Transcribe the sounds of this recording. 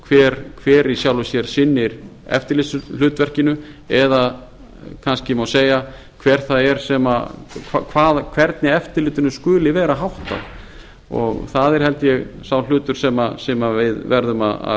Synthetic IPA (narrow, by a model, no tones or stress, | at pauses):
kʰvɛːɾkʰvɛːɾisjawlʏsjɛɾ̥sɪnːɪɾɛ̰ft̪ɪɾlɪsʏl̥ʏːt̪vɛr̥cɪnʏɛða | kʰanscɪmawseːja | kʰvɛːɾ̥θaðɛɾsɛmaakʰvaːðkʰvɛɾt̪nɪɛft̪ɪɾlɪːt̪ɪnʏskʏːlɪvɛːɾaɦawht̪a̰ð | ɔ̰ɣθaðɛɾ̥hɛlt̪jɛɣsawl̥ʏːt̪ʏɾ̥sɛmasɛmavɪðvɛɾðʏma̰a̰